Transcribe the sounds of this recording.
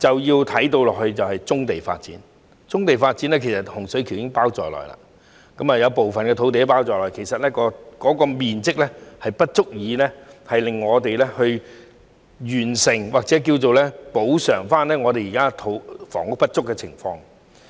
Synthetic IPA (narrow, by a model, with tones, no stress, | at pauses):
t͡sɐ˨wjiː˧wt̪ʰɐ˨˥jt̪o˧wlɔː˨k̚hɵ˧ɥt͡sɐ˨whɐ˨jt͡sʊ˥ŋt̪e˨jfa̰ː˧t̚t͡sḭ˨˥n | t͡sʊ˥ŋt̪e˨jfaː˧t̚t͡siː˨˥nɛː˥kʰe˨˩jsɐ˨t̚hʊ˨˩ŋsɵ˨˥ɥkʰi˨˩wjɪ˥ŋpaː˥wt͡sɔ̰ː˨lɔ̰ː˨jla̰˧˥ | kɐ˨˥mɐː˨jɐ˨˧wpo˨wfɐ˨nkɛː˧t̪ʰo˨˥wt̪e˨˥paː˥wt͡sɔː˨˩lɔː˨˩jkʰe˨˩jsɐ˨t̚lɛː˥kɔː˧kɔː˨˥kɔː˧miː˨nt͡sɪ˥k̚lɛ˥hɐ˨jpɐ˥t̚t͡sʊ˥k̚jiː˨˧lɛ˥hɐ˨jlɪ˨ŋːɔː˨˧t̪e˨jlɛ˥hɵ˧ɥ | jyː˨˩nsɪ˨˩ŋwaː˨k̚t͡sɛ˨˥k̬iː˧wt͡so˨wlɛː˥po˨˥wsœː˨˩ŋfaː˥nlɛː˥ŋɔː˨˧t̪e˨jiː˨˩kaː˥t̪ʰo˨˧wfɔ̰ː˨˩ŋʊ˥k̚pɐ˥t̚t͡ʃʊ˥kːɛ˧t͡sʰɪ̰˨˩ŋfɔː˧ŋ